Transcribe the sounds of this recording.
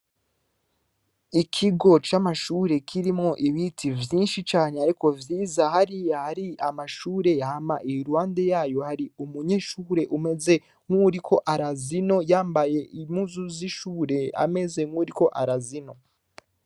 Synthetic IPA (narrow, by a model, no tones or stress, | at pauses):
ikʰiɡo̞t͡ʃamaʃuːɾe̞kʰiɾimŋo̞ʔiβitʰivjiːnʃit͡ʃaːneaɾiko̞vjiːzahaɾiahaɾiamaʃuːɾe̞jahamaʔijuɾuwaːnde̞jaːjo̞haɾiumuɲeʃuɾe̞ʔume̞ze̞ | ŋ̥uɾikʰo̞ʔaɾazino̞jaːmbaje̞imuzuziʃuːɾe̞a̰me̞ze̞ŋuɾiko̞ʔaɾazino̞